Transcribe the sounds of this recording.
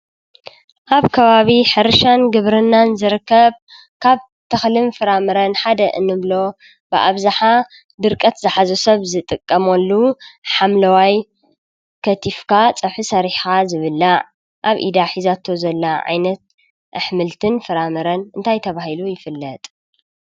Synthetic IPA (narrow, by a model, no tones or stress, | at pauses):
ʔaβkʰɐβaβiħɨɾɨʃanɡɨβɾɨnːanzɨɾɨkːɐβ | kʰaβ | t̪ʰɐxlɨmfɨɾamɨɾɐnħad̪ɐʔɨ̰nːɨβlo̞ | bɨʔa̰βzaħa | d̪ɨɾkʼɐt̪zɨħazosɐβzɨt̪ʼɨkʼːɐmolːuħamlɐwaj | kʰɐt̪ʰifkʰat͡sʼɐħɨsɐɾiħxazɨβɨlːaʕ | ʔaβʔḭd̪aħizat̪ʰo̞zɐlːaʕa̰jnɐt̪̚ | ʔɨħmɨlt̪ʰɨnfɨɾamɨɾɐnɨnt̪ʰajt̪ʰɐβahilujɪfɨlːɐt̪ʼ